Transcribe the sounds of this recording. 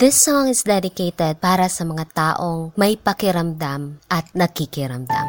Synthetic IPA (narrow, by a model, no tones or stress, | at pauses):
ðɪsɔŋɪsd̪ɛd̪ɪkejt̪ɛd̪̚paːɾɐsɐmɐŋat̪aːʔo̞ŋmɐjpɐkɪɾɐmd̪amʔɐt̪̚nɐɡ̚kɪkɪɾɐmd̪a̰m